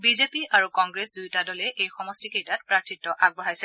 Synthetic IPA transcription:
bizepiaɹukɔŋɡɹesdujtadɔlɛʔejxɔmɔstikejtat̚pɹatʰitːɔʔaɡ̚bɔɹajsɛ

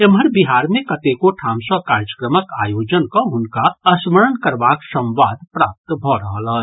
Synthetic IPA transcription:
eməɾbiɦaːɾmẽkɐt̪ekoʈʰaːmsəkaːɾd͡ʒəkɾəməkaːjoːd͡ʒənkoʊnkaɐsməɾənkɐɾbaːksə̃wʋaːd̪̚pɾaːp̚t̪bʱɔɾɐɦəlɦə

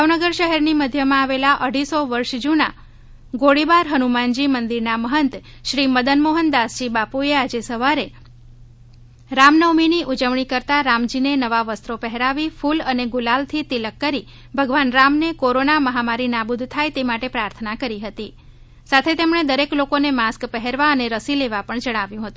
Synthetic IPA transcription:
bʱaʋnəɡəɾʃəɦɛɾniməd̪ʱjəmãaʋelaʔəɽ̤isoʋəɾʃd͡ʒuna | ɡoɽibaɾɦənumand͡ʒimənd̪iɾnaməɦənt̪ | ʃɾiməd̪ənmoɦənd̪asd͡ʒibapuead͡ʒesəʋaɾe | ɾamnəʋminiʔud͡ʒəʋɳ̃ikəɾt̪aɾamd͡ʒinenəʋaʋəst̪ɾopɛɦɛɾaʋifuləneɡulalt̪ʰit̪iləkːəɾi | bʱəɡʋanɾamnekoɾonaməɦamaɾinabud̪ʱt̪ʰajt̪emaʈepɾaɾt̪ʰənakəɾiɦət̪i | sat̪ʰet̪emɳ̃ed̪əɾeklokonemaskpəɦeɾʋaəneɾəsileʋapəɳd͡ʒəɽ̃aʋjũɦət̪ũ

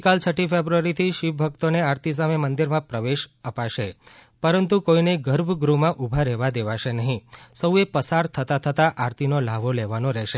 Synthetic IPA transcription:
kalt͡ʃʰəʈifebɾuaɾit̪ʰiʃipbʱək̚t̪oneaɾt̪is̬amemənd̪iɾmãpɾəʋeʃəpaʃepəɾənt̪ukoineɡəɾbʱɡɾumãʔubʱaɾɛʋad̪eʋaʃenəɦĩsəuepəsaɾt̪ʰət̪at̪ʰət̪aʔaɾt̪inolaʋoleʋanõɾɛʃe

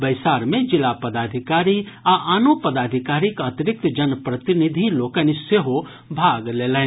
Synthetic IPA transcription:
bəɪsaːɾmẽd͡ʒɪlapəd̪aːd̪ʱɪkaːɾiaʔaːnopəd̪aːd̪ʱɪkaːɾɪkət̪ɪɾɪk̚t̪d͡ʒənpɾət̪ɪnɪd̪ʱiloːkəniseɦo | bʱaːɡleːlɛ̃

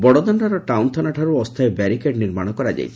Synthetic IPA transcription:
bɔɽɔd̪ɔnɾaɾɔʈawnt̪ʰɔnaʈʰaɾuɔst̪ʰaebɛɾikeʈniɾmaɽ̃ɔkɔɾad͡ʒa̰jt͡ʃʰi̥

